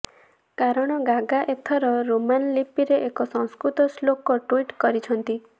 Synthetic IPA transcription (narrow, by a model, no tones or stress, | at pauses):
kaɾɔɽ̃ɔɡaɡaʔet̪ʰɔɾɔɾomanlipiɾeʔekɔsɔ̃w̃skɾut̪ɔslokɔʈwiʈkɔɾit͡ʃʰɔnt̪i